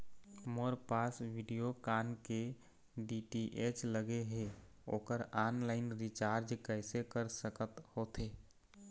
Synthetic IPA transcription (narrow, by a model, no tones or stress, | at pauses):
moɾpaːsʋiɖijokaːnke | ɖiʈiʔet͡ʃləɡeɦe | oːkəɾaːnlaɪnɾit͡ʃaːɾd͡ʒkəɪsekəɾsəkət̪hoːt̪ʰeː